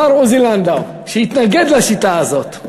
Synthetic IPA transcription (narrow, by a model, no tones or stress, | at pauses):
aɾuziland̪a | ʃeit̪naɡed̪laʃit̪aazo̞t̪